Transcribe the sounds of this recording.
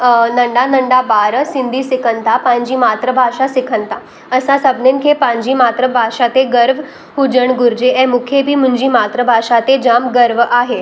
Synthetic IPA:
nəɳɖanəɳɖabaɾəsind̪ʱiːsɪkʰənt̪apãɲd͡ʑiːmaːt̪ɾəbʱaʃasɪkʰənt̪a | əsãsəbnenkʰepãɲd͡ʑiːmat̪ɾəbʱaʂat̪eɡəɾʋ | ɦud͡ʒəɳɡuɾd͡ʑeʔɛ̃mukʰjebʱiːmuɲd͡ʑiːmat̪ɾəbʱaʂat̪ed͡ʑamɡəɾʋʔaɦe

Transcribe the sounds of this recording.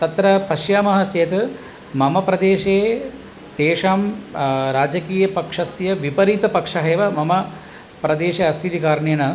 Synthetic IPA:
t̪ɐt̪ɾɐpɐʃjaːmɐɦɐt͡ʃeːt̪ɐ | mɐmɐpɾɐd̪eːʃeː | t̪eːʂaːmɾaːd͡ʒɐkiːjɐpɐkʂɐsjɐʋipɐɾiːt̪ɐpɐkʂɐɦeːʋɐmɐmɐ | pɾɐd̪eːʃeɐst̪ʰit̪ikaːɾɳeːnɐ

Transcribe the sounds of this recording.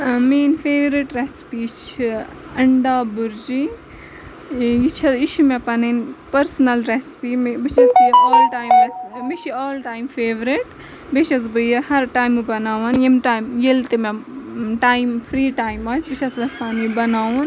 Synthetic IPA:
meːnfeːʋɾiʈɾespit͡ʃʰi | ɐɳɖaːbuɾd͡ʒi | jit͡ʃʰɐit͡ʃʰimẽpɐninpɐɾsnɐlɾespimbit͡ʃʰɐsjɔːlʈaːjmʋɐsmit͡ʃʰiaːlʈaːjmfeːʋɾiʈ | beʃɐs̬bɨjɐhɐɾʈaːjmibɐnaːʋɐnjimʈaːmjelt̪emeʈaːjimfʰɾiːʈaːjmaːsbit͡ʃʰɐsʋɐspaːnibɐnaːʋɐn

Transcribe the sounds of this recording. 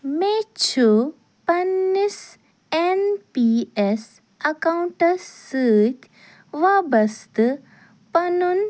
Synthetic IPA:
met͡ʃʰu | pɐnːis | enpies | ɐkauɳʈɐsəːt̪ | ʋabɐst̪ɨ | pɐnun

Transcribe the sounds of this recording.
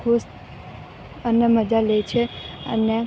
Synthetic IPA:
kʰust̪ | ənəməd͡ʒalejt͡ʃʰeə̰ne

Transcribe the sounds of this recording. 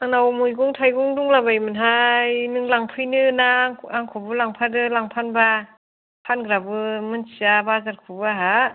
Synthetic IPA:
aŋnawmujɡuŋtʰajɡuŋduŋlabajmɯnɦajnɯŋlaŋpʰɯjnɯnaŋaŋkʰɔbɯlaŋpʰadɯlaŋpʰanba | pʰanɡɾabɯmɯnsiabazaɾkʰubɯaɦa

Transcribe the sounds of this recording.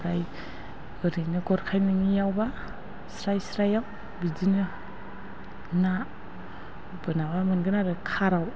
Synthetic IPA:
ɾaj | ɯɾinɯɡɔɾkʰajnɯŋijawba | sɾajsɾajaw | bidinɯ | na | bɯnabamɯnɡɯnaɾɯkʰaɾaw

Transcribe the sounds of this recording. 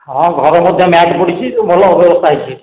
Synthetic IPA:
ɦɔ̃ɡʱɔɾɔmɔd̪ʱjɔmaʈpɔɽit͡ʃʰit̪umɔlɔbjɔbɔst̪aɦit͡ʃʰi

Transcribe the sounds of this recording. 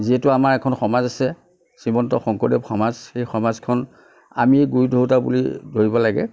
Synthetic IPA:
ziɦɛtʊamaɹɛkʰɔnxɔmazasɛ | simɔntɔxɔŋkɔdɛpxɔmazxejxɔmazkʰɔn | a̰miɡujdʱoɹutabṵlḭdʱoɹibɔlaɡɛ̰

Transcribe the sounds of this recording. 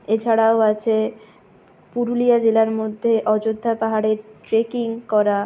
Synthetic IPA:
et͡ɕʰaɽaoat͡ɕʰe | puɾulijad͡ʑelaɾmod̪ʱːeʔɔd͡ʑod̪ʱːapaɦaɽeɾʈɾekiŋkɔɾa

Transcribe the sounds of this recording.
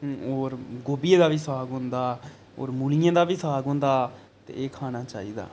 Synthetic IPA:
oːɾɡoːbijeːd̪aːʋiːsaːɡɦʊ̃nd̪aː | o̰ːɾmuːlijãːd̪aːbiːsaːɡɦʊ̃ːnd̪aː | t̪ḛːeːkʰaːɽ̃aːt͡ʃaːḭːd̪a̰ː

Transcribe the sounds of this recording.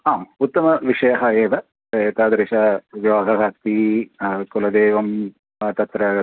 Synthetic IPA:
ɦaːut̪ːɐmɐʋiʂɐjɐɦɐeːʋɐ | eːt̪ɐːd̪ɐɾiʃɐʋjoːɡʱɐɦɐst̪i | kulɐd̪eːʋɐm | t̪ɐt̪ɾɐ

